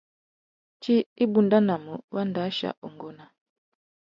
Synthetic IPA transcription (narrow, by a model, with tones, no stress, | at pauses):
t͡ʃi˦i˦bu˨nda˦na˨mu˨wa˦nda˨˦ʃa̰˨u˨ŋɡɔ˦na˨